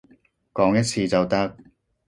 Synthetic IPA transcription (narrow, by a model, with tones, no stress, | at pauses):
kɔː˨˥ŋjɐ˥t̚sʰiː˨˧t͡sɐ˨wt̪ɐ˥k̚